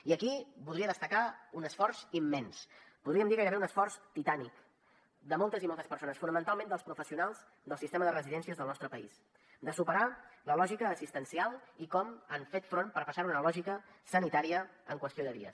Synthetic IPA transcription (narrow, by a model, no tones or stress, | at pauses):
iəkibulðɾiəðəst̪əkaunəsfɔrzimːɛnspuðɾiəmnd̪ikəɾəβeunəsfɔrst̪it̪anik | d̪əmɔlˠt̪əzimɔlˠt̪əspəɾsonəsfunəmənt̪alˠmẽnd̪əlˠspɾufəsiunalˠz | d̪əlˠsist̪eməðərəziðɛnsiəzðəlˠnɔst̪ɾəpəis | d̪əsupəɾaləlɔʒikəːsist̪ənsialˠikɔmaɱfet̪fɾonpəɾpəsaɾunəlɔʒikəsənit̪aɾiəəŋkwəst̪ioðəβiə̰s